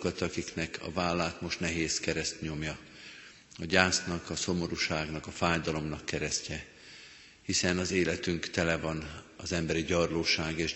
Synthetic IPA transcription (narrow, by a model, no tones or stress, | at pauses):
kɒt̪ɒkiknɛkʰɒ̰vaːlːaːt̪mo̞ʃt̪nɛɦeːskɛɾɛst̪ɲo̞mjɒ | ɒɟaːsnɒkɒso̞mo̞ɾuʃaːɡnɒkɒfaːjd̪ɒlo̞mnɒkːɛɾɛscɛ | hisɛnɒzeːlɛt̪yŋkt̪ɛlɛvɒnɒzɛmbɛɾiɟɒrloːʃaːɡeːʃ